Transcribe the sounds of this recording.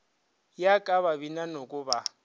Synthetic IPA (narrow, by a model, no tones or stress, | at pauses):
jakʼaβaβinanokʼʊba